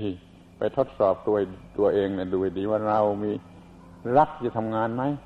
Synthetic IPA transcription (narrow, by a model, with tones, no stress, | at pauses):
i˧˩ | pa˧jt̪ʰo˦˥t̪̚sɔː˨˩p̚t̪u˧ɐt̪u˧ɐʔeː˧ŋni˧˩duː˧ha˨˩jdiː˨˦waː˧˩ɾa˧wmiː˧ | ɾa˦˥k̚t̪ʰiː˧t͡ɕa˧˩t̪ʰa˧mŋaː˧nma˦˥j